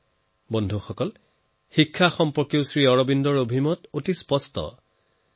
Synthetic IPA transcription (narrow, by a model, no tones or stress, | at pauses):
bɔndʱuxɔkɔl | xikʰːaxɔmpɔɹkjowsɹiɔɹɔbindɔɹobʱimɔtotispɔstɔ̰